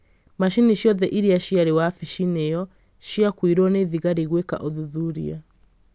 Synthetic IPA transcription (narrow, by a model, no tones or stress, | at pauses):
maʃiniʃjɔðɛʔiɾiaʃiaɾewafiʃinejɔ | ʃiakwiɾwɔneðiɣaɾiɣweka̰ʔoðuðuɾḭa̰